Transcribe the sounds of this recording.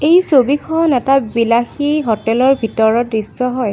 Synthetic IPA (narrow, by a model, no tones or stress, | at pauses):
ejsobikxʰɔnɛtabilaxiɦɔtɛlɔɹbʱitɔɹɔtɹisːɔɦɔj